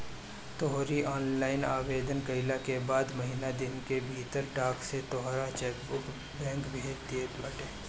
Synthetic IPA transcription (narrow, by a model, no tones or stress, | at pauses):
t̪ɔɦɾiʔɔːnlaːɪna̰ːʋeːd̪ənkɐɪlakebaːd̪mɐɦinad̪ɪnkebʱiːt̪əɾʈaːkset̪ɔɦɾat͡ʃɛːkbʊk | bɛ̃ːŋkbʱeːɾt̪et̪bɐʈeː